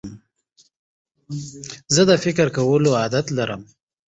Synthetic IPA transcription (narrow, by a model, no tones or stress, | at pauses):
zəd̪əfɪkɾkawəloɑd̪at̪laɾəm